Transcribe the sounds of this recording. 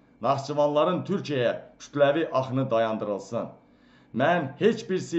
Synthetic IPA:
nɑχt͡ʃʰɯvɑnlˠɑɾɯnt̪ʰyɾcʰijækʰy̥t̪ʰlæviʔɑχnɯd̪ɑjɑnd̪ɯɾɯlˠsɯn | mænhe̞t͡ʃbiɾsi

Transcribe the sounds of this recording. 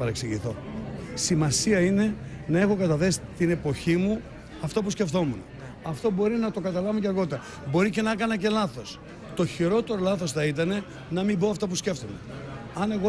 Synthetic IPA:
ɐɾeksiʝiθo̞simɐsiɐine̞nɐe̞xo̞kɐt̪ɐθe̞si̥t̪ine̞po̞çimu | ɐft̪ɐp̬usce̞ft̪o̞mune | ɐft̪o̞bo̞ɾinɐt̪o̞kɐt̪ɐlɐvuceɐɾɣo̞t̪ɐ | bo̞ɾice̞nɐkɐnɐce̞lɐθo̞s | t̪o̞çiɾo̞t̪e̞ɾo̞lɐθo̞sθɐit̪̬ɐne̞ | nɐmimbo̞ɐft̪ɐp̬usce̞ft̪one̞ | ɐne̞ɣo

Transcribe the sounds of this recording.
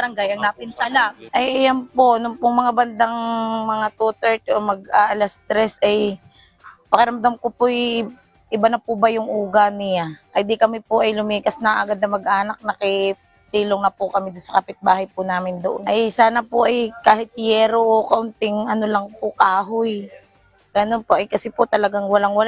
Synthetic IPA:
ɾɐŋɡajɐŋap̪ɪnsaaʔɐjʔɐjamponʊŋpʊŋmɐŋabɐnd̪aŋmɐŋat̪uːt̪ɛɹt̪omɐɡ̚ʔaʔɐlɐst̪ɾɛsɐj | pɐkɐɾɐmd̪amkopoj | ʔɪbanɐpʊbɐjʊŋʔuːɡanɪjaʔɐjd̪ikɐmɪpoʔɐjlʊmiːkɐsnɐʔɐɡad̪̚nɐmɐɡʔaːnɐk̚nɐkɪ | siːloŋnɐpʊkɐmɪd̪ʊnsɐkɐpɪt̪̚baːɦɐjpʊnaːmɪnd̪oʔonʔɐjsaːnɐpoʔɐjkaːɦɪt̪̚jɛːɾoʔokɐʔʊnt̪ɪŋʔɐnolɐŋpʊkaːɦoj | ɡ̥ɐnonpoʔɐjkɐsɛpot̪ɐlɐɡaŋwɐlaŋwɐla

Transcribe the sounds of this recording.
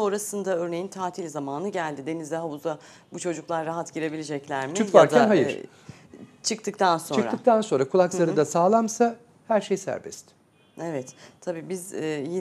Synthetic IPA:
o̞nɾasɯnd̪aøɾnejint̪ʰaːt̪ʰilʲzamaːnɯɟælʲd̪id̪e̞nizd̪ɛɦauza | but͡ʃʰo̞d͡ʒuklˠaɾːaɦat̪ɟiɾe̞bilʲed͡ʒɛclʲæɾmit͡ʃ̪uzvaɾcd̪ænɦajɯɾ | t͡ʃʰɯk̚t̪ʰɯkt̪ʰansot͡ʃ̞ɯnɾaɯkt̪ʰanso̞nɾakʰulˠaklˠaɾɯd̪asaːlˠamsa | hæɾʃejsæ̰ɾbɛ̰st̪ | evɛt̪ʰːabiːbizji

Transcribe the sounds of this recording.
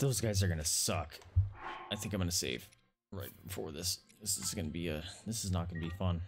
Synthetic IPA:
ðoʊzɡaɪzə˞ɡʌnɨsʌk | aɪθɪ̃ŋkãɪ̃mɡʌnɨseɪv̥ | ɹaɪt̚b̥əfɔɹðɪsðɪsɨzɡʌnəbiɨðɪsɨznət̚ɡ̥ʌnɨbifʌ̃n

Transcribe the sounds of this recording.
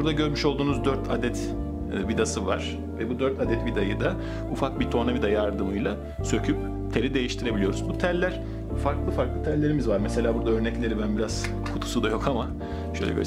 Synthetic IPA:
buɾd̪aɟø̞ɾmyʃolˠd̪uːnuzd̪øɾt̪ʰad̪ɛt̪ː | vid̪asɯva̰ɾ̥ | vɛbud̪øɾt̪ʰad̪ɛt̪vid̪ajɯd̪a | ufak̚bit̪ʰo̞navid̪ajaɾd̪ɯmɯjlˠa | sø̞cʰyp | t̪ʰe̞ɾʲid̪e̞jiʃt̪ʰiɾe̞bilijo̞ɾuzbut̪ʰællʲːæɾ̥ | faɾklˠɯfaɾklˠɯt̪ʰællːʲe̞ɾimizvaɾmɛse̞lʲaːbuɾd̪aø̞ɾnɛclʲe̞ɾibænbiɾaz̥ | kʰut̪ʰu̥sud̪ajo̞kʰama | ʃøjlʲɛ̰ɟø̰

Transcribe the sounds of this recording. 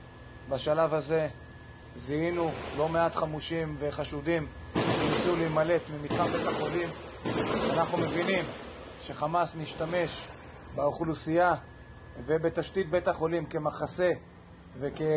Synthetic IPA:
baʃalavhaze̞ | ziinulo̞me̞at̪χamuʃimve̞χaʃud̪imvinsulimale̞t̪mimit̪χabe̞taχo̞lim | anaχnume̞vinim | ʃe̞χamasniʃtame̞ʃ | beuχlusija | ve̞be̞t̪aʃt̪it̪̚betaχo̞limke̞maχase̞ | ve̞ke

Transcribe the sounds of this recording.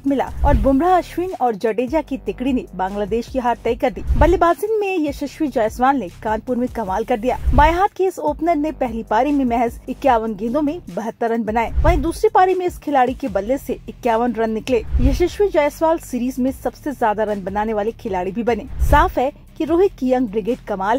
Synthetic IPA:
t̪mɪla̰ːɔːɾbʊmɾaɐʃʋɪnɔːɾd͡ʒɐɖeːd͡ʒakit̪ɪkɽinẽbãːŋɡlaːd̪eːʃkiɦaːɾt̪ɛːkɐɾd̪iːbɐlːebaːzɪnmẽjɐʃɐʃwid͡ʒaːjəsʋaːlnekãːnpʊɾmẽkɐmaːlkɐɾd̪ija̰ːbaːjɦaːt̪̚keːsoːpnəɾnepɛɦlipaːɾemẽmɛɦɛzɪkːjaːʋənɡẽːd̪õmẽbɐɦət̪ːəɾːɐ̃nbɐnaːeːʋɐːɦĩd̪uːsɾipaːɾemẽɪskʰɪlaːɽikebɐlːeseɪkːjaːʋənɾɐnːɪkleːjɐʃɐʃʋid͡ʒaːjəsʋaːlsiːɾiːzmẽsɐbsezjaːd̪aɾɐ̃nbɐnaːneʋaːlekʰɪlaːɽibʱibɐneːsaːfɦɛ | kiɾoːɦɪt̪̚kijɐ̃ŋɡ̚bɾɪɡeːʈkɐmaːlɦɛ

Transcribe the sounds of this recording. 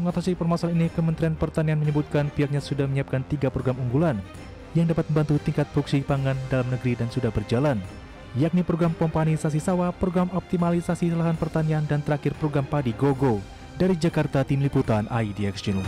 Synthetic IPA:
məŋat̪asipərmasalinikəmənt̪ɾianpərt̪anianməɲəbut̪̚kanpiak̚ɲasudahməɲiap̚kant̪iɡapɾoɡɾamuŋɡulan | jaŋdapat̪̚məmbant̪ut̪iŋkat̪̚buk̚sipaŋandalamnəɡəɾidansudahbərd͡ʒalan | jak̚nipɾoɡɾamkɔmpanisas̬isawapɾoɡɾamɔp̚t̪imalisasisəlaɦanpərt̪aniandant̪əɾakɪrpɾoɡɾampadiɡoɡo | daɾid͡ʒakart̪at̪imliput̪anʔaidiɛksun

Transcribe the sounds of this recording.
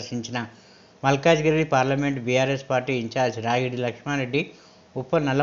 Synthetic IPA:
ʂiɲt͡ʃinɐ | mɐlkaːd͡ʒɡɐɾipaːɾlɐmeɳʈbiːjaːɾespaːɾʈiːiɲt͡ʃaːɾd͡ʒɾaːɡiɽilɐkʂmaːɾeɖːi | upːɐnɐlːɐ

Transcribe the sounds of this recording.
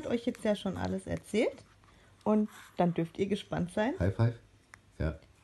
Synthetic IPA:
atʔɔʏçjɛt͡stjaːʃoːnʔa̰ləsɛ̰ɐt͡sɛːlt | ʔʊntd̥andʏɐftiːɐɡəʃpantz̥aɪnhaɪfhaɪf | ja̰ː

